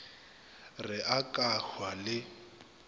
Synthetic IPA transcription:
rɪʔakʼaxwalɪ

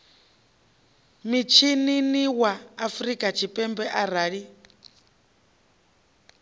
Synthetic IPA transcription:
mit͡ʃʰininiwaːfɾikʼat͡ʃʰipʼɛmbɛʔaɾaːɺi

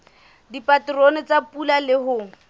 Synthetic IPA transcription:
dipatronɪt͡sapʼulalɪɦʊ

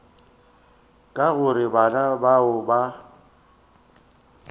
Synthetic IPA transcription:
kʼaɣʊɾɪbanabaʊba

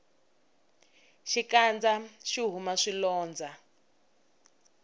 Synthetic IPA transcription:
ʃikand͡zaʃiɦumaʂilɔːnd͡za

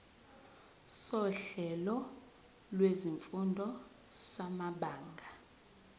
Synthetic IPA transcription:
sɔɬɛlɔ | lweziɱfundʱɔ | samaɓaːŋɡʱa

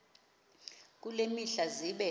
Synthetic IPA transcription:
k̬ʼulemiɬaziɓɛ

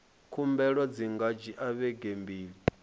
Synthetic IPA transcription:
kʰumbɛɺɔd͡ziŋɡad͡ʒiʔaβɛɡembiːɺi

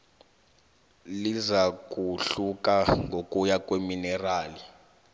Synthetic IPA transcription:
lizak̬ʼuɬuk̬ʼaŋɡʱokʼujakʼweminɛraːli

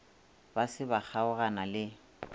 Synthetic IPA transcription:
basɪbak͡xʰaʊɣanalɪ

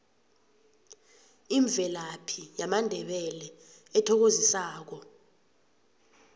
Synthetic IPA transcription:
iɱb̪vʱɛlapʰijamandʱɛɓɛlɛ | ɛtʰɔk̬ozisaːk̬ɔ

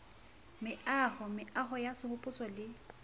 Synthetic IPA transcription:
mɪahɔmɪʔaɦɔjasɪhʊpʼʊt͡sʼɔlɪ

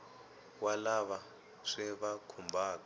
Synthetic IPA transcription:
walaβa | ʂɛβakʰumbʱaːka

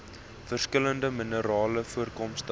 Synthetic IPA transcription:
fərskələndəmənəɾɑːləfuərkɔmstə

